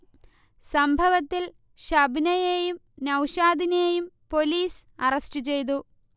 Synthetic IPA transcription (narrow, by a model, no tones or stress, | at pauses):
sɐmbʱɐʋɐt̪ːil | ɕɐbʱnɐjeːjum | nɐwɕaːd̪ʱinejumpo̞liːs | ɐrɐsʈɨt͡ɕe̞jt̪̬u